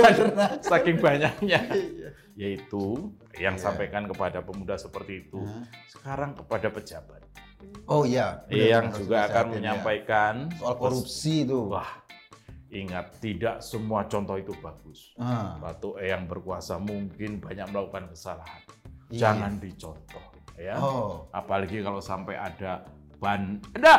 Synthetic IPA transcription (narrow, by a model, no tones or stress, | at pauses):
asakɪŋbaɲak̚ɲa | jait̪u | əjaŋsampajkankəpadapəmudahsəpərt̪iːt̪usə̥kaɾaŋkəpadapəd͡ʒab̥at̪̚ | ojajaŋd͡ʒuɡaːkanməɲampajkankoɾupsit̪uwah | ʔiŋat̪ːidaʔsəmuat͡ʃɔnt̪ɔhit̪ubaɡ̥ʊspat̪uʔejaŋbərkuasamuŋkɪnbaɲak̚məlakukankəsalahand͡ʒaŋandit͡ʃɔnt̪ɔh | jaa̰palaɡikalosampajada | b̥anda